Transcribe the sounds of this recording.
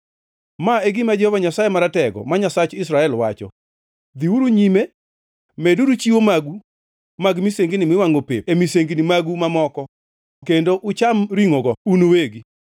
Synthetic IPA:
maeɡɪmad͡ʒɛhɔvaɲasajemaɾatɛɡɔ̰maɲasat͡ʃɪsɾaɛlwat͡ʃɔ̰ | d̪iwuɾuɲime | mɛdudut͡ʃiwomaɡu | maɡmiseŋɡinɪmwɪwaŋopep̚emiseŋɡinimaɡumamɔkɔ | kendoʔʊt͡ʃamɾiŋoɡɔunoweɡi

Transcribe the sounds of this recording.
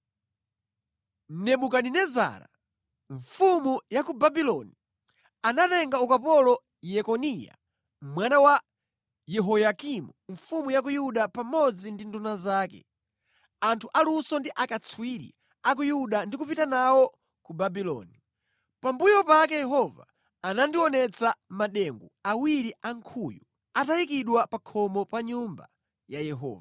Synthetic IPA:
nɛɓukaninɛza̰ːɾa̰ | ɱfumujakubabilɔni | anatɛŋɡaukapɔlɔ | jɛkɔnija̰ | mwanawa | jɛɦɔjakimuɱfumujak̬ujuɗapamɔd͡zindindunazaːkɛ̰ | antʰuʔalusɔndiʔakat͡sʰwiɾḭ | ak̬ujuɗandikupitanawɔ | kubabilɔ̰ːni | pambujɔpakɛjɛɦɔva̰ː | nandiwɔnɛt͡samaɗɛŋɡuawiɾiaŋkʰuju | atajikiɗwapakʰɔmɔpaɲumba̰ | jajɛɦɔ̰ːva

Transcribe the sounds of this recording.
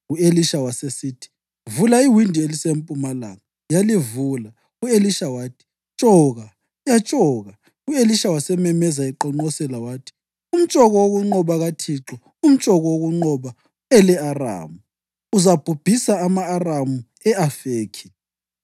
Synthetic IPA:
ueliʃawasesiːtʰi̥ | vulaiwindʱielisem̩pʼumala̰ŋa | jalivuːla | ueliʃawaːtʰi̥ | t͡ʃʼɔːɣa | jat͡ʃʼɔɣa | ueliʃawasɛmɛmɛzaiǃɔŋ͡ǃɔsɛlawaːtʰi̥ | um̩t͡ʃʼɔɣɔwoɣuŋ͡ǃɔβaɣatʰiǁɔ | um̩t͡ʃʼɔɣɔwoɣuŋ͡ǃɔβa | ɛlɛara̰ːmu | uzab̥ʱub̥ʱisaːmaːramu | ɛafeːkʰi̥

